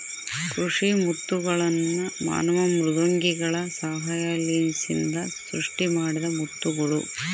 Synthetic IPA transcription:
kɾuʂimut̪ːuɡɐɭɐnːuma̰ːnɐʋɐmɾud̪ɐŋɡiɡɐɭɐsaːɦajalensḭnd̪ɐsɾuʂʈimaːɽid̪ɐmut̪ːuɡɐɭṵ

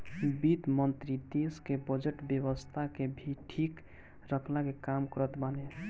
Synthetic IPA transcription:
bit̪mənt̪ɾid̪eskebəd͡ʒeʈbjebəst̪ʰakebʱiʈʰik | ɾəkʰlakekamkɔɾət̪bane

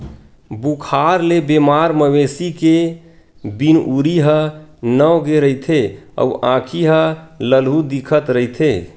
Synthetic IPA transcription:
bukʰaɾlebemaɾməʋesike | binʔuɾiɦənəɡeɾəit̪ʰeə̰uʔã̰kʰiɦələlɦud̪ikʰət̪ɾəit̪ʰe

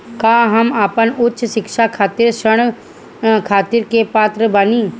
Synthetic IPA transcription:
kaːɦɐmaːpənʊtːʃʃɪkʃakʰaːt̪iɾʃəɽ̃ | kʰaːt̪iɾkepaːt̪ɾəbɐniː

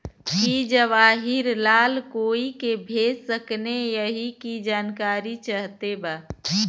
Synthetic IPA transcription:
kid͡ʒəʋaːɦɪɾlaːlkoːikebʱeːd͡ʒsəknejəɦikid͡ʒaːnkaːɾit͡ʃaɦt̪ebaː

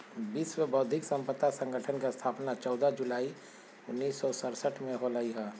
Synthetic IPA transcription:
biːswebɔːt̪̚d̪ʱɪksə̃mpət̪ːasə̃ŋɡəʈʰənkest̪ʰaːpnat͡ʃɔːd̪ad͡ʒʊlaːi | ʊnːiːsːɔsəɾsəʈʰmẽɦolaːiɦɛː

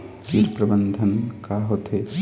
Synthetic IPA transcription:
piɾpɾɐbənd̪ʱɐnkaːɦot̪ʰe

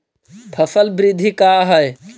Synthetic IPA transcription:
pʰəsəlbɾɪd̪ʱikaɦəj

